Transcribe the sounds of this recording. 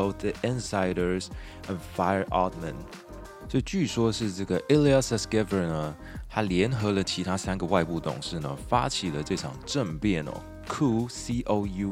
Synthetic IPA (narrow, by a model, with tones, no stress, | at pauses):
o˥˩ʊθði˨ʔɪ˥nsa˧˥ɪɾə˞˧z | ə̃˨nfa˥ɪə˞˧ʔɑ˥t̪mə̰˨˩n | t͡sə˥˧t͡ɕy˥˩ʂwɔ˥ʂɻ̩˥˧ʈ͡ʂə˥˩ɡə˩ʔɪ˥li˧ə˥˧sə˥˩skɛ˥və˨nə˦ | t̪ʰa˥ljɛ˧˥nxɤ˧˥lə˨t͡ɕʰi˧˥t̪ʰa˥sa˥nɡə˨wa˥˧ɪpu˥˩t̪ʊ̰˨˩ŋʂɻ̩˥˩nə̰˩fa˥t͡ɕʰi˨˩lə˦ʈ͡ʂɤ˥˩ʈ͡ʂʰɑ˨˩ŋʈ͡ʂə˥˧ŋpjɛ˥˩nɔ̰˩ | kʰu˥si˥ʔo˧˥ʊju˧